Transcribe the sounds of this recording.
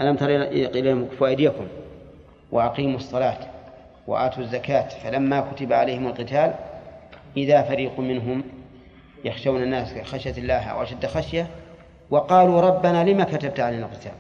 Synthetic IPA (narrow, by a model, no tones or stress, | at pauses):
ʔalamt̪ɑɾˤiʔqilamfwaʔɪd̪ːakʊm | wʔɪ̰ʔɑqiːmɑsˤːɑlɑːt̪ | wɪ̰ʔa̰ːt̪uzːakaːt̪falamːakʊt̪abaʕalajhɪmalqɨt̪aːl | ʔɪðafaɾiːqumɪnɦʊm | jɑxʃawnanːaːsxaʃjalːaːɦʔa̰wʔaʃad̪ːxaʃja | wɑqɑːluɾˤɑbːanalɪmakat̪ab̚t̪ʕalajnalqɪ̥t̪a̰ːl